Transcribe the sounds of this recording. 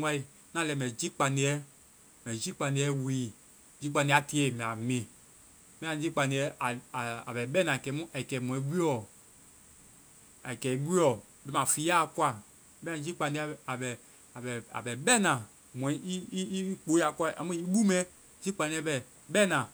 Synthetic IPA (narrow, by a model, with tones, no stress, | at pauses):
a˦i˨ | nã˦lɛ˨mɛ̃˨d͡ʒi˦k͡pa˨ni˧˦ɛ˦ | mɛ̃˨d͡ʒi˦k͡pã˧ni˧˦ɛ˦wiː˨ | d͡ʒi˦k͡pã˧ni˧˦a˨ti˦e˦˨mɛ̃˨a˨mẽ˨ | mɛ̃˦ã˨d͡ʒi˦k͡pa˧ni˨˧ɛ˦ʔa˨a˨a̰˨bɛ˨ɓɛ˦nã˨kɛ˨˦mũ˦ʔa˨i˨kɛ˨mw̃ɛ̃˨˦ɡi˦ɔ˨ | a˨i˨kɛ˨i˦ɡi˦ɔ˨ | bɛ˨mã˨fi˨˦a˦˨kwa˦˨˦ | bɛ̃˦˨˦d͡ʒi˦k͡pã˨˧ni˧˦a˦a˨bɛ˨ | a˨bɛ˨a̰˨bɛ˨ɓɛ˦nã˨ | mwɛ̃˨˦i˦i˦i˦k͡po˨˦a˨ka˦˨ʔa̰˨mũ˦i˦ɓu˦mɛ̃˦ | d͡ʒi˦k͡pã˨˧nĩ˧˦ɛ˦bɛ˨ | ɓɛ˦nã˨